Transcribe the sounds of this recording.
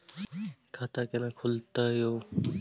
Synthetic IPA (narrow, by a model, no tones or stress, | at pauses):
kʰat̪akɛnãkʰult̪ajoː